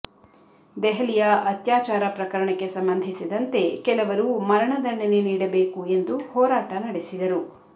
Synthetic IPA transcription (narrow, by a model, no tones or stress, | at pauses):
d̪ɛɦɐlijɐɐt̪jaːt͡ʃaːɾɐpɾɐkɐɾɐɳɐkːe̞sɐmbɐnd̪ʱisid̪ɐnt̪e̞kɛlɐʋɐɾumɐɾɐɳɐd̪ɐɳɐneniːɽɐbeːkue̞nd̪uhɔːɾaːʈɐnɐɽesid̪ɐɾu